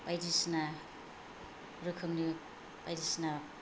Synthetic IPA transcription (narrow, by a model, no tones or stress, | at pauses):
pajdisna | ɾɯkʰɯmni | pajdisna